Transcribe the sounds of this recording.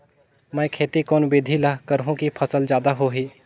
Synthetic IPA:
məjkʰeːt̪ikɔːnbeːd̪ʱilakəɾɦõkipʰɐsəld͡ʒaːd̪aɦoɦiː

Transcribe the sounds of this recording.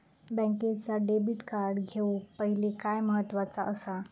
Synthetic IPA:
bɛ̃ŋket͡saɖebiʈkaɾɽɡʱeupəɦilekajməɦət̪ːʋat͡saʔəsa

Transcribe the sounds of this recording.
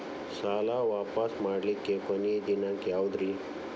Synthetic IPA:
saːlaʋaːpəsmaːɽlikːekənid̪inakjawd̪ɾi

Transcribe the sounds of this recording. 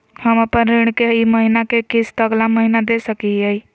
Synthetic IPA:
həməpənɾɪɽ̃keiməɦinakekɪst̪əɡlaməɦinad̪esəkiɛi

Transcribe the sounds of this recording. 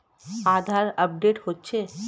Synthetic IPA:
ad̪ʱaɾəp̚ɖeʈhotːɕʰe

